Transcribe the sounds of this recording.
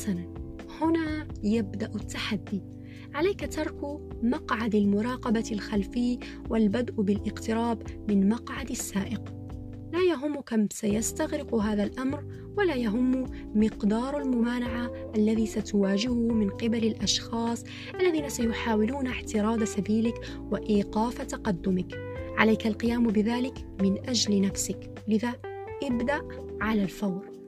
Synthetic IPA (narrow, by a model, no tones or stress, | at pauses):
sana | hʊnaːjabd̪aʔʊt̪ːaħad̪ːi | ʕalajkat̪ɑɾˤkmɑqʕad̪almʊɾˤɑːqɑbalxalfɪj | walbad̪ʔbɪlʔɪqt̪ɪɾɑːbmɪnmɑqʕad̪asːaːʔɪq | laːjaɦʊmːʊkamsajast̪aɣɾɪqɦaːðalʔamɾ | walaːjaɦʊmːʊ | mɪqd̪ɑːɾˤalmʊmaːnaʕa | ʔalːaðisat̪ʊwaːd͡ʒɪhʊmɪnqɪbalɪlʔaʃxɑːsˤ | ʔalːaðiːnasajʊħaːwɪluːnaħt̪ɪɾˤɑːd̪asabiːlɪk | wɪʔiːqɑːfat̪ɑqɑd̪ːʊmɪk | ʕalajkalqɪjaːmbɪðaːlɪkmɪnʔad͡ʒlɪnafsɪk | lɪða | ʔɪbd̪aʔ | ʕalalfawɾ